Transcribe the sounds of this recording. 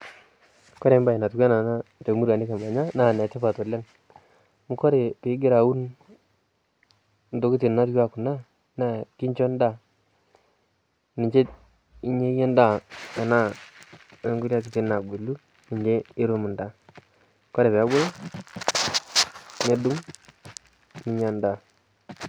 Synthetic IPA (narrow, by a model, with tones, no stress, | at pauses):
kɔ˦ɾe˨˦mba˦i˨na˨tʊ˨kɛ˦na˨na˦to˨˦mu˦ɾwa˨nɪ˦ka˨ma˨ɲa˦na˦˨nɛ˨tɛ˦pa˨tɔ˨lɛ˦ŋ | mu˦kɔ˦ɾe˨pɪ˨˦ɡɪ˦ɾa˨u˦n | ndo˨˦ki˦ti˨nna˦tka˦ku˨na˦ | na˦˨ki˦ɲt͡ʃɔ˦nda˦˨ | ni˨ɲt͡ʃe˦ | i˦ɲe˦jɛ˦nda˦˨ka˨na˦˨ | e˦ŋɡu˦lja˦k̬i˨ti˦na˨ɡe˨lu˦ | ni˨ɲd͡ʒe˦ɪ˦ɾu˦mu˨nda˨ | kɔ˦ɾe˨pɛ˨˦bʊ˦l | ne˦du˦ŋ | nɪ˨˦ɲa˦nda˨